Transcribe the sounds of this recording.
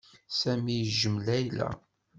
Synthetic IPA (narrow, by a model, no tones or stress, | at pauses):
sæmijʒəmlæjlæ̰